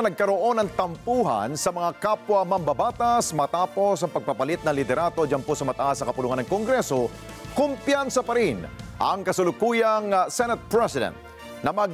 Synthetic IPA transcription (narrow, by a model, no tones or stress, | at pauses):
nɐɡ̚kɐɾo̞ʔo̞nɐŋt̪ɐmpuːɦɐ̰nsɐmɐŋakapwɐmɐmbɐbaːt̪asmɐt̪aːpo̞sɐŋpɐɡ̚pɐpɐlit̪̚nɐŋlɪd̪ɛɾaːd̪od͡ʒanposɐmɐt̪ɐʔasnɐkɐpʊluːhɐnɐŋkoŋɡɾɛso | kʊmpjansɐpɐɾinʔɐŋkɐsʊlʊkuːjɐŋsɛnɛt̪̚pɹɛsɪd̪ɛ̰nt̪̚ | nɐmɐɡ